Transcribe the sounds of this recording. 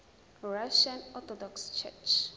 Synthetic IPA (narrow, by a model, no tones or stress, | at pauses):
ɹaʃãnɔt̪ʰɔdɔkst͡ʃʰɛ̰t͡ʃ